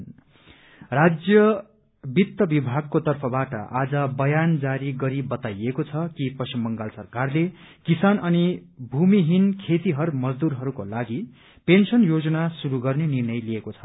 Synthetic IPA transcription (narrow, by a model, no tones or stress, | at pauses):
rad͡zjʌ | bit̪ːʌbibʱaɡ̚kot̪ʌrpʰʌbaʈʌ̰ʔad͡zʌbʌjand͡zaɾiɡʌɾibʌt̪ajekot͡sʰʌkipʌsimbʌŋɡalsʌrkarle | kisanʌnibʱumiɦinkʰet̪iɦʌɾumʌd͡zd̪uɾɦʌɾukolaɡi | pensʌnjod͡zʌnasuɾuɡʌrnenirnʌjlijekot͡sʰʌ̥